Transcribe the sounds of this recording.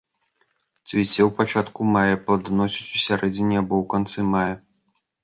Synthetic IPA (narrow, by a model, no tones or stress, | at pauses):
t͡s̪ʲvʲit͡sʲɛwpat͡ʂat̪kumajɐpɐd̪nɔsʲit͡sʲusʲaɾɛd͡zʲinʲiabɔwkant̪sɨmajɐ